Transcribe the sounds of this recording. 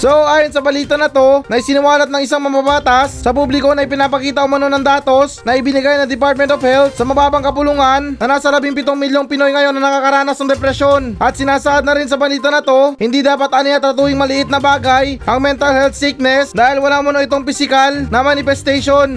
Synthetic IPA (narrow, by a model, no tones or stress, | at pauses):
soʔaːjonsɐbɐliːt̪ɐnɐt̪o̞nɐʔɪsɪnɪwaːlɐt̪nɐŋɪsaŋmɐmabaːt̪ɐsːɐpublɪko̞nɐɪp̬ɪnapɐkiːt̪ɐʔʊmɐno̞nɐŋd̪aːt̪o̞snɐɪbɪnɪɡajnɐŋd̪ɪpaɾt̪̚mɛnt̪ovhɛlt̪̚sɐmɐbaːbɐŋkɐpʊluŋannɐnaːsɐlɐbɪŋpɪt̪oŋmɪljoŋpɪnojŋɐjo̞nːɐnɐkaːkɐɾaːnɐsnɐŋd̪ɛpɾɛsjo̞nʔɐt̪̚sɪnaːsɐʔad̪̚nɐɾɪnsɐbɐliːt̪ɐnɐt̪o̞hɪnd̪iːd̪aːpɐt̪ʔɐnɪjat̪ɾɐt̪uːhɪŋmɐlɪʔɪt̪̚nɐbaːɡɐjʔɐŋmɛnt̪ɐlhɛlt̪̚sik̚nɛsd̪aːhɪlwɐlaʔʊmɐnoɪt̪o̞ŋpɪsɪkalnɐmanɪpɛst̪ɛjʃon